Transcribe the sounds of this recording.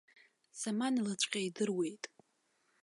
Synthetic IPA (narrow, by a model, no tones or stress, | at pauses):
samanlat͡ʃʷʼqʲʼaidɨrwe̞jtʼ